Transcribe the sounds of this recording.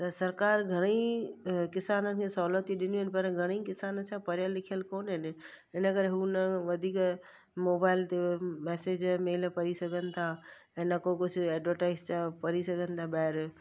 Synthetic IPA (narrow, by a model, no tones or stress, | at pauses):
t̪ɐsɐɾkaːɾɡʱɐɽ̃i | kɪsaːnənɪ̆kʰẽsɐɦulət̪iɗɪnjuɦɪnɪ̆pɐɾɡʱɐɽ̃ikɪsaːnəsʰãpɐɾjalɪkʰijəlkoːnɦɪnɪ̆ | ɪnəkəɾeɦunʋɐd̪ʱiːk | moːbaːɪlt̪emɛːseːd͡ʑmeːlpɐɾisɐɡʱənɪ̆t̪ʰa | ɛ̃ːnɐkokʊd͡ʑʱʊɛːɖʋəɾʈaːɪzt͡ɕapɐɾisɐɡʱənɪ̆t̪ʰaɓaɦɪɾ